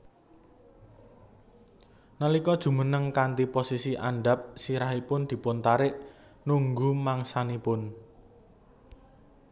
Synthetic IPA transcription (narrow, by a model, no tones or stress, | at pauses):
nalikɔd̥ʒ̥ṳmənəŋkant̪iposisiʔa̰ɳɖap̚siɾaɦipʊnd̪̥i̤pʊnt̪aɾɪʔ | nuŋɡumaŋsanipʊn